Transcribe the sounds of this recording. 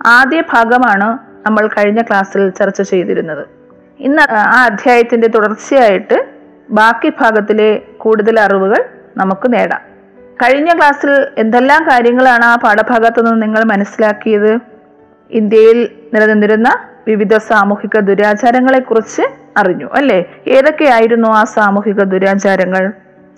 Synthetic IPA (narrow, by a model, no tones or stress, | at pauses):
aːd̪jɐbʱaːɡɐmaːɳɨ | nɐmːɐɭkɐɻiɲːɐkɭaːsilt͡ɕɐrt͡ɕːɐt͡ɕe̞jt̪iɾunːɐðɨ | inːɐaːɐd̪ʱjaːjɐt̪ːinde̞t̪uɽɐrt͡ɕːijaːjiʈːɨ | baːkːibʱaːɡɐt̪ːile̞kuːɽuðɐlɐriʋuɣɐɭ | nɐmukːɨne̞ːɽɐ̰m | kɐɻiɲːɐkɭaːsile̞nd̪elːaːmkaːɾjɐŋːɐɭaːɳɨaːbʱaːɽɐbʱaːɡɐt̪ːonːɨniŋːɐɭmɐnɐsilaːkːijɐðɨ | ind̪jɐjilniɾɐnenːiɾunːɐ | ʋiʋid̪ʱɐsaːmuːhiɣɐd̪uɾaːt͡ɕaːɾɐŋːɐɭe̞kːurit͡ɕːɨ | ɐriɲːṵʔɐlːe̞e̞ːðo̞kːe̞jaːjiɾunːuaːsaːmuhiɣɐd̪uɾaːt͡ɕaːɾɐŋːɐɭ